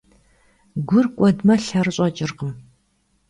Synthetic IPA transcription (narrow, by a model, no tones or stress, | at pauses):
ɡʷʊrkʷʼɔdmɐɬɐrɨɕʼɐt͡ʃʼɪrqəm